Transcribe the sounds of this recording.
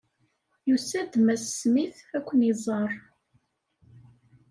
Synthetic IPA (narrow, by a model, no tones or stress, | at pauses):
jusæd̪mæsːmiθækʷːənizˤɑrˤ